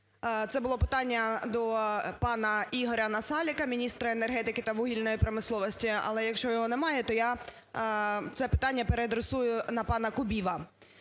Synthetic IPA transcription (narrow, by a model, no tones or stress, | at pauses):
t̪sɛbʊlˠɔpɪ̥t̪ɑnʲːɐd̪ɔpɑnɐiɦɔɾʲɐnɐsɑlʲɪkɐmʲinʲist̪ɾɐenerɦɛt̪ɪkɪt̪ɐʋuɦʲilʲnɔjipɾɐmɪslˠɔʋɔsʲtʲiɐ̰lˠɛjɐkʃt͡ʃɔjɔɦɔnɛmɑjɛt̪ɔja | t̪sɛpɪ̥t̪ɑnʲːɐpeɾed̪ɾɪsujʊnɐpɑnɐkʊbʲiʋɐ